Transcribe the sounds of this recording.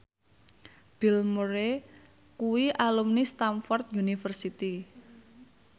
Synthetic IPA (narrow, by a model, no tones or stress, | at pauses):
b̥i̤lmoɾe | kuwiʔalumnist̪amfɔrt̪̚junifərsit̪i